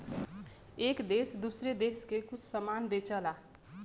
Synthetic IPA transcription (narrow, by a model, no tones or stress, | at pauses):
eːkd̪eːsd̪usɾed̪eːskekʊt͡ʃʰsəmaːnbeːt͡ʃəlaː